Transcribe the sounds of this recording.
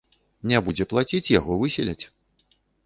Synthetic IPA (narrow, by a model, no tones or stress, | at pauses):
nʲabud͡zʲɛplˠat͡sʲit͡sʲjaɣɔvɨsʲilʲɛt͡sʲ